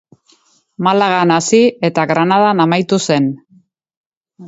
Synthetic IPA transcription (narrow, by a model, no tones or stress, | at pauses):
malaɣanasie̞t̪aɣɾanaðanamajt̪use̞n